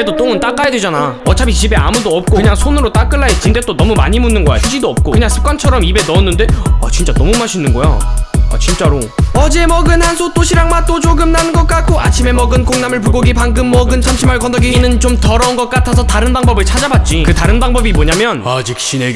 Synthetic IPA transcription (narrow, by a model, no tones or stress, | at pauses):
edot͈oŋɯnt͈ak͈ajadwed͡ʑanaʌt͡ɕabit͡ɕʰibe̞amudoʌp̚k͈okɯɲaŋsʰonɯɾot͈ak͈ɯɭːaɦet̚t͡ɕ͈inde̞t͈onʌmumaɲimunːɯnɡʌjaɕʰɯd͡ʑidoʌp̚k͈okɯɲaŋsʰɯ̥p̚k͈want͡ɕʰʌɾʌmibe̞nʌːnːɯnde̞ʌ̰t͡ɕint͡ɕ͈anʌmumaɕʰinːɯnɡʌja̰ʌ̰t͡ɕint͡ɕ͈aɾo | ʌd͡ʑe̞mʌɡɯnhansʰot͈oɕʰiɾaŋmant͈ot͡ɕoɡɯmnanɯnɡʌt̚k͈at̚k͈ʰoa̰t͡ɕʰime̞mʌɡɯnk͈oŋnamɯɭp̬uɡoɡipaŋɡɯmːʌɡɯnsʰamɕʰimaɭkʌndʌɡiinɯnt͡ɕomtʌɾʌunɡʌt̚k͈atʰas̬ʰʌtaɾɯnbaŋbʌbɯɭt͡ɕʰad͡ʑabat̚t͡ɕ͈ikɯtaɾɯnbaŋbʌbimoɲamjʌnad͡ʑik̚ɕ͈ine